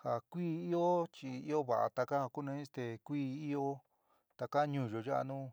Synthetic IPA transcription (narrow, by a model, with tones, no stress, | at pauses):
ha˨kʷiː˦i˦o˦t͡ʃi˧i˦o˦βa˨ʔa̰˨t̪a˧ka˦ha˧ku˦nẽ˧ĩ˦st̪e˧kʷiː˦i˦o˦ | t̪a˧ka˦ɲũ˧˨ʒo˨ʒa˦ʔa̰˧nũː˦